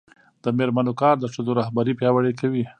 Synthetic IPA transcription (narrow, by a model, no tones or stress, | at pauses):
d̪̥əmeɾmanokɑɾd̪əʂəd̪oɾahbaɾipjɑwaɽekawi